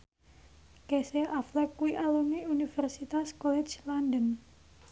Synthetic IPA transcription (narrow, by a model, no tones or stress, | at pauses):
keseʔaflɛkuwiʔalumiunifɛrsit̪askɔlɛd͡ʒlandən